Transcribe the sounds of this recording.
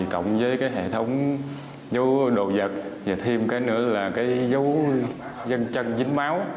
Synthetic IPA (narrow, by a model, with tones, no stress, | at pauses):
kə̰˧˨wŋ͡mzəː˨˦jkaː˨˦jɦḛ˧˨t̪ʰə˨˦wŋ͡m | zə˨˦wɗo̰˧˨˩zə˨˩t̚zaː˨˩t̪ʰi˧mkaː˨˦jnɨ̰˧˥əlaː˨˩kaː˨˦jzə˨˦w | zə˧nt͡ɕə˧nzï˨˦ŋmaː˨˦w